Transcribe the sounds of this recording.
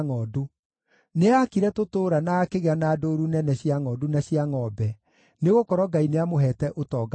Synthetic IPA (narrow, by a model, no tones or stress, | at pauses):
ŋɔːdu | neakiɾɛtotoːɾanaːkeɣeanaːdoɾunɛnɛɕiaŋɔːdunaɕjiaŋɔbɛ | neɣokɔɾɔɡaineamoɦɛtɛʔotɔːɡa